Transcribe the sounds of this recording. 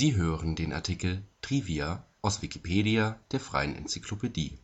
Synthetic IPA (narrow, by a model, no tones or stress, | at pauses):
ziːɦøːʁəndeːnʔa̰ɐtʰikl̩tʁ̥iːviaʔaʊsv̥ikʰi̥pʰeːɾiad̥eːɐfʁ̥a̰ɪənʔɛ̰nt͡sikʰlopʰediː